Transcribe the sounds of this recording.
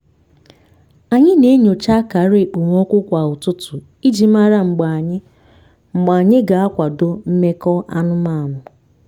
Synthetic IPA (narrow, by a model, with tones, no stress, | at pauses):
a˨ɲɪ˦ne˦ɲo˨t͡ʃa˦ka˨˦ɾe˨k͡po˨ŋʷ˦ɔ˦kʷʊ˦kʷa˨ʊ˨tʊ˦tʊ˨ | i˦d͡ʒi˨ma˦ɾa˦˨ŋ͡m̩˨ɡ͡ba˨ɲɪ˦ | ŋ͡m̩˨ɡ͡ba˨ɲɪ˦ɡa˨a˦kʷa˨do˦m̩˦me˦kɔ˦ʔa˦nʊ˦ma˦˨mʊ˨